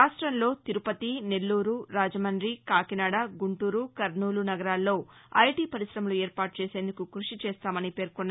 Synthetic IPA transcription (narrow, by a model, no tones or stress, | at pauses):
aːʂʈɾɐnlo̞ːt̪iɾupɐt̪ine̞lːuːɾuɾaːd͡ʒɐmɐɳɖɾikaːkinaːɽaɡuɳʈuːɾukɐɾnuːlunɐɡɐɾaːlːo̞ːɐjʈiːpɐɾisɾɐmɐlueːɾpaːʈ̚t͡ʃeːse̞ːnd̪ukukɾuʂit͡ʃɛːst̪aːmɐnipe̞ːɾkunːa